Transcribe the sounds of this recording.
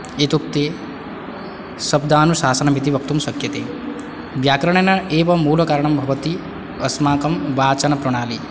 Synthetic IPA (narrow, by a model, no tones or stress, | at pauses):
et̪uk̚t̪eː | sɐb̚d̪ʱaːnusaːsɐnɐmit̪iʋɐk̚t̪umʃɐkjɐt̪ḛː | ʋjaːkɾɐɳ̃enaʔeːʋɐmːuːlɐkaːɾɳɐmbʱɐʋət̪i | ɐsmaːkɐmʋaːt͡ʃɐnɐpɾɐɽ̃aːli